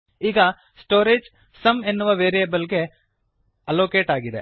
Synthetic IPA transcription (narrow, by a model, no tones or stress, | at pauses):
ɪɡa | sʈoːɾeːd͡ʒ | sɐmenːuʋɐʋeːɾijebəlɡe | ɐloːkeːʈaːɡid̪ḛː